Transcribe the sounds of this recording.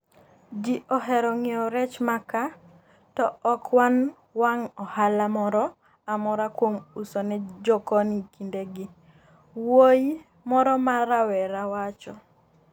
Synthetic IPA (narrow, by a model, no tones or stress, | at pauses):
d͡ʒiʔɔɦɛɾɔŋɪɔɾɛt͡ʃmaka | tɔːkwan | waŋɔhalamɔɾɔ | amɔɾakwomusɔnɛd͡ʒɔkɔnikindeɡɪ | woj | mɔɾɔmaɾawɛɾawat͡ʃɔ